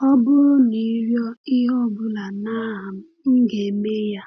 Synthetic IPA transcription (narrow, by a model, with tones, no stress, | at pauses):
ɔ˦bʊ˦ɾʊ˦ni˨˦ɾjɔ˦ɪ˦ɦɔ˦˨bʊ˦la˨na˦ɦm̩˦ŋ̩˦ɡe˨me˦ja˦